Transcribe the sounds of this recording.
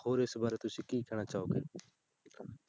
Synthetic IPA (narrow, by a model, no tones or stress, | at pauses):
hoːɾɪsbaːɾet̪ʊsĩːkiːkʰɛɽ̃aːt͡ʃaːoːɡḛː